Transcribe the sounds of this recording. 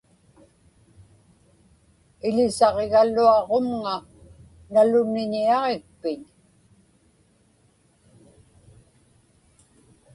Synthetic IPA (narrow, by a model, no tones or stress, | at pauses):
ɪʎɪsɑʁe̞ɣaluɑʁomŋa | nalʊnɪɲiɑʁek̚pɪɲ